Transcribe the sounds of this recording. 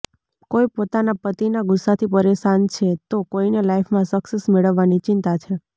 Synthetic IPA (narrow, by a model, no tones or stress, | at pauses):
kojpot̪anapət̪inaɡʊsːat̪ʰipəɾeʃant͡ʃʰet̪okoinelajfʰmãsəksesmeɭəʋːanit͡ʃɪnt̪at͡ʃʰe